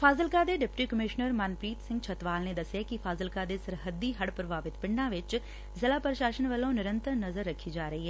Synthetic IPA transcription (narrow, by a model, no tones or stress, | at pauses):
fʰaːzəlkaːd̪eːɖɪpʈiːkəmɪʃnəɾmənpɾiːt̪sɪ̃ŋɡt͡ʃʰət̪ʋaːlneːd̪əsjaːkɪfʰaːzəlkaːd̪eːsəɾɦəd̪ːiːɦəɽpɾəbʱaːʋɪt̪pɪ̃ɳɖãːʋɪt͡ʃ | zɪlaːpəɾʃaːʃənʋəlːõːnɪɾə̃nt̪əɾnəzəɾːəkʰːiːd͡ʒaːɾəɦiːɦɛː